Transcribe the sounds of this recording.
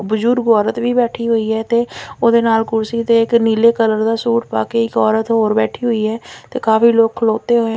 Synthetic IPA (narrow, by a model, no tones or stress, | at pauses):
bʊd͡ʒʊɾɡɔːɾət̪ʋiːbɛːʈʰiːɦʊiːɦɛːt̪eːoːd̪eːnaːlkʊɾsiːt̪eːɪkniːleːkələɾd̪aːsuːʈpa̰ːkeɪkɔːɾət̪ɦoːɾbɛːʈʰiːɦʊiːɦɛːt̪eːkaːfiːloːɡ̚kʰəloːt̪eːɦoːẽ